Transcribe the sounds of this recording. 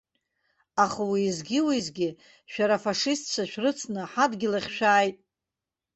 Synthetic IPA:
aχawiːzɡʲɪwizɡʲɪ | ʃᶣaɾafaʂistʰt͡ʃʷʰaʃᶣrɨt͡sʰnɨħadɡʲɪlaχʲʃᶣaːjtʼ

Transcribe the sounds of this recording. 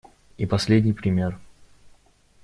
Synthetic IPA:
ipɐsʲlʲedʲnʲɪjpɾʲɪmʲe̞r

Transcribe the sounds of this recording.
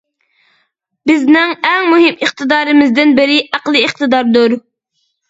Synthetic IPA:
bɪznɪŋɛŋmuɦɪmiχt̪ɨd̪ɑːɾɨmɪzd̪ɪnbɪɾɪʔæqlˠɨːχt̪ɨd̪ɑɾd̪uɾ

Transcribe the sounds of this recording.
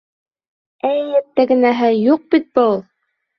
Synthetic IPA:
ɘjjæt̪ːæɡɘ̆næɦɘjuq̚bit̪̚bɤulˠ

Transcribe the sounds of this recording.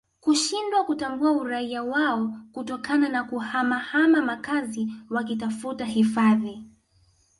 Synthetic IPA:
kuʃindwakutambuauɾaiawaɔkutɔkananakuhamahamamakaziwak̬itafutahifaði

